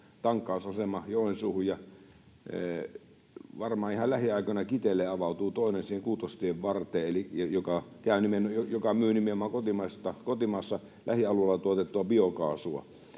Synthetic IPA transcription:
t̪ɑŋkːˑɑˑusɑsemɑjohensuːhujjɑ | ʋɑrmɑːihɑllæhiɑˑikonɑkit̪elːeɑʋɑˑut̪uːt̪oˑenensiːheŋkuːt̪oˑist̪ieʋʋɑrt̪ˑeːelijɑjokɑkæˑynimenjojokɑmyːnimeomɑŋkot̪imɑst̪ɑkot̪imɑˑsːɑ | lʔæ̰hiɑluɑlːɑt̪uɑt̪et̪ːuɑbiokɑ̰ːsuɑ̰

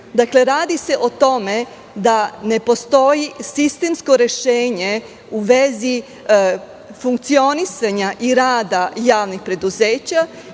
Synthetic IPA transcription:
d̪akle̞ɾaːd̪ise̞ʔot̪o̞me̞ | d̪ane̞po̞st̪o̞jisist̪emsko̞ɾe̞ʃeːɲe | uʋe̞zi | fuŋkt̪sio̞nisaɲaʔiɾaːd̪ajaːʋnixpɾe̞d̪uzeːt͡ɕa

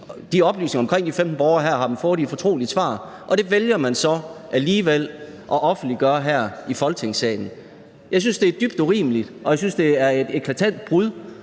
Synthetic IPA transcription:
d̥iɒ̽b̥ly̰ːsne̝ŋɐɒ̽mkʰʁeŋ̰d̥ifemd̥n̩b̥ɒʊɐɦæɐ̰ɦɑ̈d̥mn̩fɔːɐðˠie̥fɒ̽t͡sʰʁo̝̰ːlisʋɑ̰̈ː | ʔɒ̽d̥e̝ʋeljɐmænsɒ̽ʔæliːʋel̰ʔɒ̽ʔɒ̽fn̩d̥liɡ̥ɶɐɦæɐ̰ifɒ̽lt͡sʰe̝ŋsɛ̰ːɪn̩ | jɑ̈ɪs̬ynsd̥e̝æɐd̥yb̥d̥uʁḭːməlid̥ʔɒ̽jɑ̈ɪsynsd̥e̝æɐe̝d̥ekʰlæt͡sʰæn̰d̥̚b̥ʁuðˠ

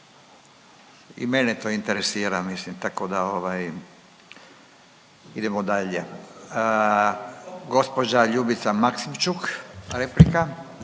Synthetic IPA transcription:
ḭmenet̪o̞int̪eɾesiːɾamislimt̪ako̞d̪ao̞ʋaj | id̪emod̪aʎe | ɡo̞spod͡ʒaʎubit̪samaksimt͡ʃukɾeplika

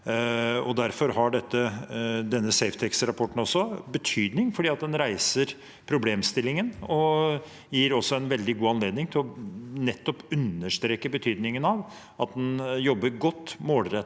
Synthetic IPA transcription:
ɔd̪æɾfɔɾɦɑɖɛt̪ːəd̪ɛnːəsɛɪft̪ʰɛksɾɑpʰɔʈːn̩ɔsːɔbət̪ʰyːd̪nɪŋfɔɖiːɑt̪̚d̪ɛnɾæɪsəɾ | pʰɾʊbleːmst̪ɪlːɪŋənɔ | jiːɾɔsːɔɛnʋɛld̪ɪɡuːɑnleːd̪nɪŋt̪ʰɪlɔnɛt̪ːɔpʉnəʂt̪ɾeːkːəbət̪ʰyːd̪nɪŋənɑʋ | ɑt̪̚d̪ɛnjɔbːəɾɡɔt̪ːmoːlɾɛt̪ː

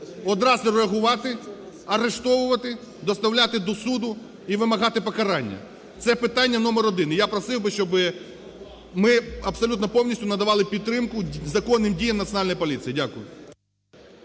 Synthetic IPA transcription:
ɔd̪ɾɑzʲlʲiɾeɐɦʊʋɑt̪ɪ | ɐɾeʃt̪ɔʋʊʋɐt̪ɪ | d̪ɔst̪ɐwlʲat̪ɪd̪ɔsud̪ʊ | iʋɪmɐɦɑt̪ɪpɔkɐɾɑnʲːɐ̰ | t̪sɛpɪt̪ɑnʲːɐnɔmɛɾɔd̪ɪnɪjapɾɔsɪwbɪʃt͡ʃɔbɪ | mɪɐbsɔlʲut̪nɔpɔwnʲisʲtʲʊnɐd̪ɐʋɑlˠɪpʲid̪t̪t̪ːɾɪmkʊzɐkɔnːɪmdʲijɐmnɐt̪sʲjɔnɑlʲnɔjpɔlʲisijidʲakʊjʊ̰

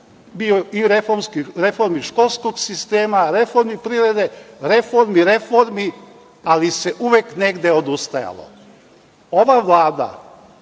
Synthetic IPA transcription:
bioiɾefoɾmskiɾe̞fo̞ɾmiʃko̞lˠskoɡsist̪eːmaɾe̞fo̞ɾmipɾiɾe̞d̪e̞ɾe̞fo̞ɾmiɾe̞fo̞ɾmi | aliseʔuʋekne̞ɡd̪eo̞d̪ust̪aja̰lˠo̰ | oʋaʋlˠaːd̪a̰

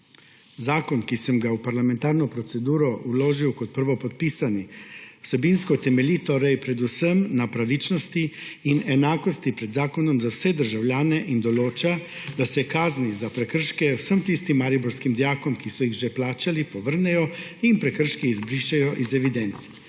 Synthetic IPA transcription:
zaːkɔnkisɛmɡawpaɾlamɛ̃nt̪aːɾnɔpɾɔt̪sɛd̪uːɾɔuloːʒiwkɔt̪̚pəɾʋɔpɔt̪̚piːsaniwsɛbinskɔt̪ɛmɛliːt̪oːɾɛjpɾɛd̪usəmnapɾaʋit͡ʃnɔst̪iːnɛnaːkɔst̪ipɾɛd̪zaːkɔnɔmzawsɛd̪əɾʒawljaːnɛʔind̪ɔloːt͡ʃad̪̥asɛkaːznizapɾɛkəɾʃkɛwsəmt̪iːst̪imːaɾibɔɾskimd̪jaːkɔmkisɔjiɣʒɛplaːt͡ʃalipɔʋəɾnɛjɔinpɾɛkəɾʃkiizbɾiʃɛjɔʔizɛʋid̪ɛnt̪s

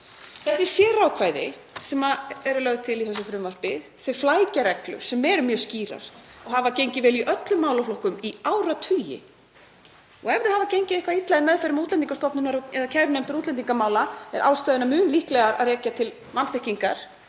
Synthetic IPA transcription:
θɛsɪsjɛːɾaːwkʰvaːjðɪ̰ | sɛmaɛɾʏlœɣt̪ʰɪliθɛsːʏfɾʏmvar̥pɪðθʏflaːjcaɾɛklʏ̰̥sɛmːɛɾʏmjœːsciːɾa̰ɾ̥ɔɣɦavacejɲcɪvɛːliʔœt̪lʏmːaːwlaflowkʏmiaːwɾat̪ʰʏjɪ̰ | ɔɣɛvðɪhaːvacejɲcɪðɪhkvait̪laðɪnmɛðfɛjɾʏmut̪lɛniŋkast̪ɔpnʏnaɾɔɛðacʰɛɾnejm̥t̪ʏɾuːt̪lɛniŋkamaːwlaɛɾʔa̰ːwst̪œːðɪnamʏːnlihklɛɣaɾa̰ðrɛːcat̪ʰɪl | vanθehciŋkaɾ̥

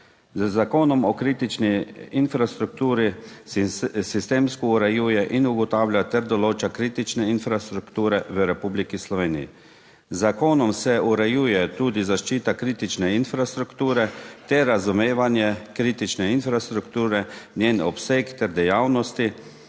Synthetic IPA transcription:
zzakoːnɔmɔkɾiːt̪it͡ʃniinfɾast̪ɾuk̚t̪uːɾi | sist̪eːmskɔuɾɛjuːjɛʔinuɡɔt̪aːwlʲjat̪ɛɾd̪ɔloːt͡ʃakɾiːt̪it͡ʃnɛinfɾast̪ɾukt̪uːɾɛʋəɾɛpuːblikislɔʋeːnḭjḭ | zakoːnɔmsɛuɾɛjuːjɛt̪uːd̪izaʃt͡ʃiːt̪akɾiːt̪it͡ʃnɛinfɾast̪ɾukt̪uːɾɛt̪ɛɾazumeːʋanjɛkɾiːt̪it͡ʃnɛinfɾast̪ɾukt̪uːɾɛnjeːnɔ̰psekt̪ɛɾd̪ɛjaːwnɔst̪i

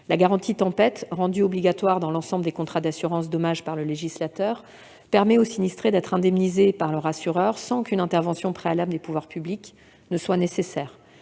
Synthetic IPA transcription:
laɡaʁɑ̃t̪it̪ɑ̃pɛt̪ʁɑ̃d̪yɔbliɡat̪waʁd̪ɑ̃lɑ̃sɑ̃bləd̪ekɔ̃t̪χad̪asyʁɑ̃s̬d̪ɔmaʒpaʁləleʒislat̪œʁ | pɛʁmɛosinist̪χed̪ɛt̪χɛ̃d̪ɛmnizepaʁlœʁasyʁœʁsɑ̃kynɛ̃t̪ɛʁvɑ̃sjɔ̃pχealabləd̪epuvwaʁpyblik | nəswanesesɛːʁ

